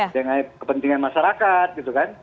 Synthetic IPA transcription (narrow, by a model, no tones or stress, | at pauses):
daŋaikəpənt̪iŋanmaʃaɾakat̪̚ɡit̪ukan